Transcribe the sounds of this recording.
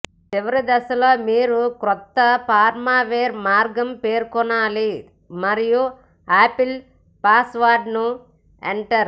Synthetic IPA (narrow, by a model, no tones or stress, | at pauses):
t͡ʃiʋɐɾid̪ɐsɐloːmiːɾukɾɔt̪ːɐpaːɾmaːʋeːɾmaːɾɡɐmpeːɾkɔnaːli | mɐɾiju | aːpil | paːsʋaːɾɖnu | ḛɳʈɐɾ